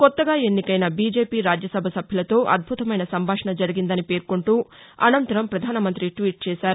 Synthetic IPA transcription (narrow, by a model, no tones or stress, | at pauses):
kɔt̪ːɐɡaːe̞nːikɐjnɐbiːd͡ʒe̞ːpiːɾaːd͡ʒjɐsɐbʱɐsɐbʱjɐlɐt̪o̞ːʔɐ̰d̪̚bʱut̪ɐmɐjnɐsɐmbʱaːʂɐɳɐd͡ʒɐɾiɡind̪ɐnipe̞ːɾkoɳʈuː | ɐ̰nɐnt̪ɐɾɐmpɾɐd̪ʱaːnɐmɐnt̪ɾiʈʋiːʈ̚t͡ʃɛːsaːɾu